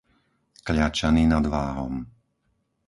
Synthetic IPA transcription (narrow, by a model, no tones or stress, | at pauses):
kʎat͡ʃaniːnad̪ʋaːɦɔ̰m